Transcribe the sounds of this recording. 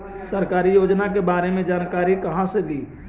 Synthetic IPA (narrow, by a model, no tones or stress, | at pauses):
sɐɾkaːɾijoːd͡ʒnakebaːɾemẽd͡ʒaːnkaːɾikɐɦãsed̪iː